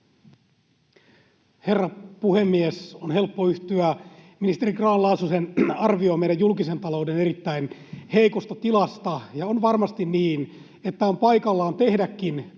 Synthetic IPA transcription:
he̞rːɑpuhe̞mːiesonhe̞lpːoyht̪yæminist̪eɾikrɑːlɑːsusenɑrʋioːme̞jdæjjulkise̞nt̪ɑlo̞uwde̞ne̞ɾit̪ːæinhe̞ikost̪ɑt̪ilɑst̪ɑjɑonʋɑrmɑst̪inniːn | e̞t̪ːæompɑikɑlːɑːnt̪e̞hdækːin

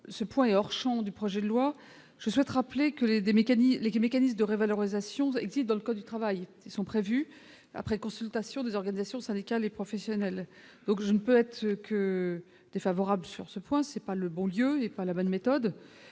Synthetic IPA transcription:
səpwɛ̃ɛɔʁʃɑ̃d̪ypχɔʒɛd̪əlwa | ʒ̥əswɛt̪ʁaplekəled̪emekanilemekanismd̪əʁevalɔʁizasjɔ̃ɛ̰ɡzist̪̚d̪ɑ̃ləkɔd̪ːyt̪χavaj | isɔ̃pχevy | a̰pχɛkɔ̃sylt̪asjɔ̃d̪ezɔʁɡanizasjɔ̃sɛ̃d̪ikʲalepχɔfɛsjɔnɛl | d̪̥ɔ̃kʒənəpøɛt̪χkə | d̪̥efavɔʁabləsy̰ʁsəpwɛ̃sɛpaləbɔ̃ljøepalabɔnmet̪ɔd̪

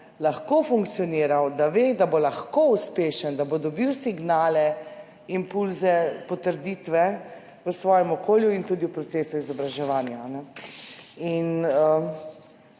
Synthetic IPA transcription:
laxkofuŋkt̪siɔniːɾawd̪aʋed̪abolaxkouspeːʃənd̪abod̪ɔbiwsiɡnaːlɛ | impulzɛpɔt̪əɾd̪iːt̪ʋɛ | ʋəsʋɔːjɛmɔkoːljuint̪uːd̪iwpɾɔt̪seːsuizɔbɾaʒɛʋaːnjaːnɛ | inə

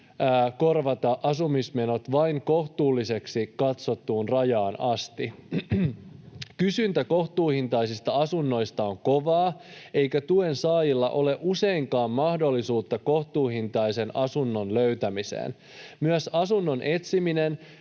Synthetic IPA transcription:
ko̞rʋɑt̪ɑʔɑsumisme̞no̞t̪ʋɑiŋko̞ht̪uːlːise̞ksikɑt̪so̞t̪ːuːnrɑjɑːnɑst̪i | kysynt̪æko̞ht̪uːhint̪ɑjsist̪ɑɑsunːo̞jst̪ɑoŋko̞ʋɑːe̞jkæt̪ue̞nsɑːjilːɑ̰ʔo̞le̞ʔuse̞iŋkɑːmːɑhdo̞lːisuːt̪ːɑko̞ht̪uːhint̪ɑjse̞nɑsunːo̞nløɥt̪æmisḛːn | myæsɑsunːo̞nʔe̞t̪simine̞n

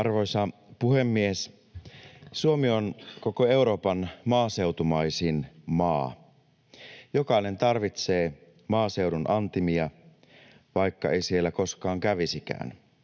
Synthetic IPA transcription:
ɑrʋo̞jsɑpuhe̞mːies | suomionkokoe̞uɾo̞ːpɑnmɑːse̞wt̪umɑisinmɑː | jokɑine̞nt̪ɑrʋit̪seː | mɑːse̞wdunʔɑnt̪imiɑ | ʋɑikːɑ̰ejsielːæko̞skɑːŋkæʋisikæ̰ːn

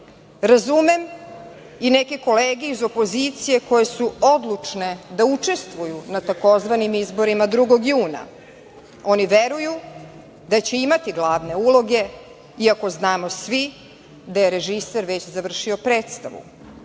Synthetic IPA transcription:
ɾazumem | inekeko̞leːɡeizo̞po̞zit̪sije̞ko̞je̞suo̞d̪lˠut͡ʂne̞d̪aut͡ʂe̞st̪ʋujunat̪ako̞zʋanimizbo̞ɾimad̪ɾuɡo̞ɡjuːna̰ | o̞niʋeɾuju | d̪at͡ɕeimat̪iɡlˠaːʋne̞ulˠo̞ɡe̞ | iako̞znaːmo̞sʋi | d̪ajeɾe̞ʒiseɾʋe̞t͡ɕzaʋr̩ʃio̞pɾe̞ːt̪st̪aʋṵ

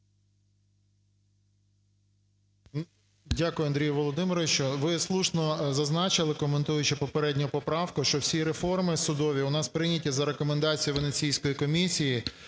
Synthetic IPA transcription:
dʲakʊjʊɐnd̪ɾʲijʊʋɔlˠɔd̪ɪmɪɾɔʋʲiʃt͡ʃɔʋɪslˠuʃnɔzɐznɑt͡ʃɪlˠɪkɔment̪ujʊt͡ʃɪpɔpeɾɛdʲnʲʊpɔpɾɑwkʊʃt͡ʃɔwsʲiɾefɔrmɪsʊd̪ɔʋʲiʊnɑspɾɪnʲɐtʲɐzɐɾe̞kɔmend̪ɑt͡sʲijʊʋenet͡sʲijsʲkɔjikɔmʲisʲiji

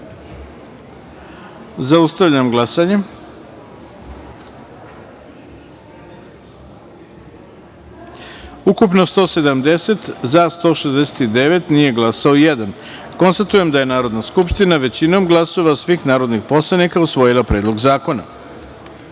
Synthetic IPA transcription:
zaust̪aʋʎamɡlˠasaɲe | ukupno̞st̪o̞ːse̞d̪amd̪e̞se̞t̪zast̪o̞ːʃezd̪ese̥t̪id̪e̞ʋe̞t̪nije̞ɡlasaojed̪an | ko̞nst̪at̪uje̞md̪aje̞naːɾo̞d̪naskupʃt̪inaʋe̞t͡ɕino̞mɡlˠaso̞ʋasʋixnaːɾo̞d̪nixpo̞slˠanikausʋo̞jilˠapɾeːd̪lo̞ɡzaːko̞na̰

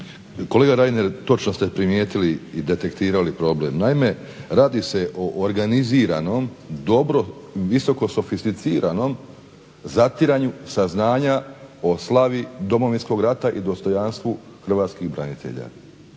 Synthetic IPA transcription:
kole̞ːɡaɾajneɾt̪o̞t͡ʃnost̪e̞pɾimjeːt̪iliːd̪e̞t̪e̞kt̪iːɾalipɾo̞blḛmnaime̞ | ɾaːd̪ise̞ʔo̞ʔːɾɡaniziːɾano̞md̪o̞bɾoʋiso̞ko̞so̞fist̪it̪siːɾʔano̞m | zat̪iɾaɲusaznaːɲao̞slˠaʋid̪o̞mo̞ʋinsko̞ɡɾat̪aʔid̪o̞st̪o̞janst̪ʋu | xr̩ʋaːt̪skiɣbɾa̰nit̪ḛʎa̰

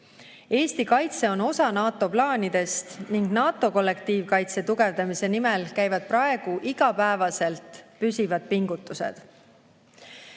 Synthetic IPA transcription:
e̞ːst̪ikɑjt̪se̞o̞no̞sɑnɑːt̪ˑo̞plɑːnid̪̥e̞st̪niŋɡnɑːt̪ːˑo̞ko̞lːe̞k̚t̪iːvkɑjt̪se̞t̪uɡ̥e̞vd̪ɑmise̞nimelkæjvɑd̪̥̚prɑe̞ɡ̥uʔiɡ̥ɑpæevɑse̞lt̪ˑpysʲivɑd̪̥̚piŋɡ̥ut̪ːˑusḛd̪̥

